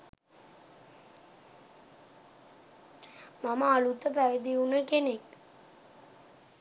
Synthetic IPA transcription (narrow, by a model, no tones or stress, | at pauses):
maməalut̪əpæʋed̪iunəkenek